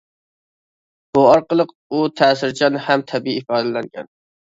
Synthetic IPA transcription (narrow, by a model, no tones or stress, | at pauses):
bʊɑɾqɨlˠɨq | ʊt̪ʰæːsɪɾd͡ʒɑnhamt̪ʰæbiːfɑːd̪ælaŋɡʲa̰n